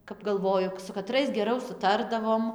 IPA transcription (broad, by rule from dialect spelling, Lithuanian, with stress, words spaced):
kɐp ɡɐlˠˈʋoːjʊ sʊ kɐˈtrɐɪs ɡʲɛˈrɐʊ sʊˈtɐrdɐʋoːm